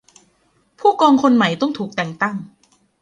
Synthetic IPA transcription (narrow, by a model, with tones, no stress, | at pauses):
pʰuː˥˩kɔː˧ŋkʰo˧nma˨˩˦jt̪ɔ˥˩ŋt̪ʰuː˨˩k̚t̪ɛː˨˩ŋt̪a˥˩ŋ